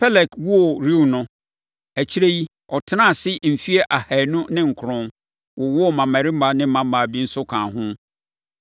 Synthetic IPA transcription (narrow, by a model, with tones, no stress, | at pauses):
pʰɛ˦lɛ˨kwu˦o˨ɾi˦˨nʊ̃˦ | æ˨t͡ɕʰi˦ɾe˦ji˦ | ɔ˨tʰɪ˦nã˦˨sɪ˦m̩˨fi˦e˦ʔa˨hæ˨nʊ̃˦nɪ̃˦ŋ̩˨kʰʊ˨ɾʊ̃˦n | wɔ˨wɔ˦ɔ˦˨mã˨mæ̃˨ɾi˦m˦ba˦nɪ̃˦mã˨m˦mã˨bi˦n̩˦sʊ˦kʰã˨ɦʊ̃˦